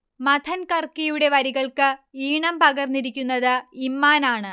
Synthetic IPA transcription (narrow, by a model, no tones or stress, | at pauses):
mɐd̪ʰɐnkɐrkijuɽe̞ʋɐɾiɣɐɭkɨiːɳɐmpɐɣɐrniɾikʲːunːɐðɨimːaːnaːɳɨ